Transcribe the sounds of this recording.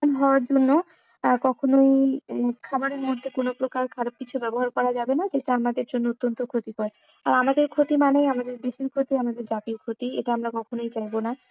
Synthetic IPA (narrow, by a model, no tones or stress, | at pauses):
nɦɔoaɾd͡ʑonːo | kɔkʰonojkʰabaɾeɾmod̪ʱːekonopɾokaɾkʰaɾab̚kit͡ɕʰubɛboɦaɾkɔɾad͡ʑabenad͡ʑeʈaamad̪eɾd͡ʑonːoot̪ːont̪okʰot̪ikɔɾe | aɾamad̪eɾkʰot̪imanejamad̪eɾd̪eʃiɾkʰot̪iamad̪eɾd͡ʑapiɾkʰot̪iḛʈaamɾakɔkʰonojt͡ɕajbona